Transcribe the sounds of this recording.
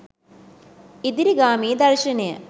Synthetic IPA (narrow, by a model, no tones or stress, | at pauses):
id̪iɾiɡaːmiːd̪ɐɾʃɐnejə̰